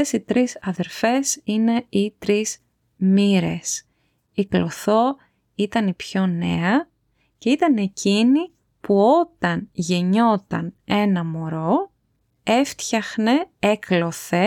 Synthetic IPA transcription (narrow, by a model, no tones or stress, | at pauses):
esit̪ɾisɐðe̞ɾfe̞sine̞it̪ɾiz | miɾe̞s | iklo̞θo̞ | it̪ɐnipço̞ne̞̰ɐ | ce̞it̪ɐne̞cini | puo̞t̪ɐnʝe̞ɲo̞t̪ɐ̰ne̞nɐmo̞ɾo̞ | e̞ft̪çɐxne̞e̞klo̞θe̞